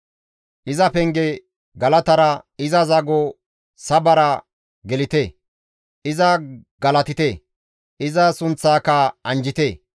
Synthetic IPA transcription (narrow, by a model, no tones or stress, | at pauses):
ʔɪzɐpɛŋɡɛ | ɡɐlɐt̪ɐɾɐɪzɐzɐɡo | sɐbɐɾɐ | ɡɛlɪt̪eː | ʔɪzɐɡɐlɐt̪ɪt̪eː | ʔɪzɐsʊnt͡sːaːkɐɐnd͡ʒɪt̪eː